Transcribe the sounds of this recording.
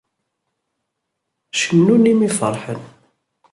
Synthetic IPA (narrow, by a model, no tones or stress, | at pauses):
ʃənːunimifə̰ɾˤħən